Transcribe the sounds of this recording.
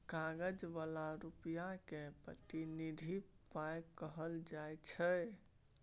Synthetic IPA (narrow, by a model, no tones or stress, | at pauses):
kaɡəd͡ʒʋalaɾupijakepɾə̰t̪inid̪ʱipajkəɦəld͡ʒajt͡ʃʰə